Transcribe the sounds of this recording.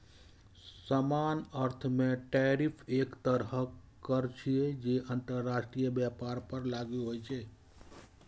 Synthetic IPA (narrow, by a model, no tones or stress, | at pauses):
səmanəɾt̪ʰmeʈɛɾipʰekt̪əɾɦə | kəɾt͡ʃʰijed͡ʒeənt̪əɾːasʈɾijəbjapaɾpəɾlaɡeɦojt͡ʃʰɛ